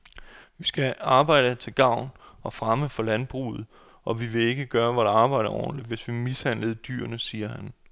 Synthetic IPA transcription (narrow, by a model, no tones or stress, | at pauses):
ʋisɡ̥æɑ̈ːb̥ɑ̈ɪ̰ɾ̥ət͡sʰe̝lɡ̥ɑ̈ʊ̰nɒ̽fʁaməfɒ̽lænb̥ʁṵːð̩ˠ | ʔɒ̽ʋiʋe̝e̝ɡ̥əɡ̥ɶːɐʋɑɾɑɑ̈ːb̥ɑ̈ɪ̰ɾɐʔɒ̰ːn̩li̥ʋe̝sʋimishæn̰ləð̞̩ˠd̥y̰ːɐnəsiːɐɦæn